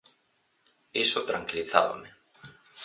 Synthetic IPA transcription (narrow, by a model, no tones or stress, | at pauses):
isot̪ɾaŋkiliθa̰βo̰me